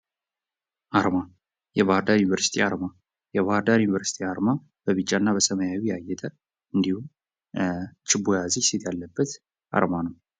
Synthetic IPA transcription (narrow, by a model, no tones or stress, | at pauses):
ʔaɾma | jɛβahaɾd̪ajunivəɾsi̥t̪ʰiaɾma | jɛβahəɾd̪ajjunivəɾsi̥t̪ʰiaɾma | b̥əβɨt͡ʃʼːanːabəsəməjawijɛajːɛt̪ʰʼə | ɨnd̪ihu | t͡ʃɪbːojaziset̪ʰjalːəbːət̪ | ʔa̰ɾmanəw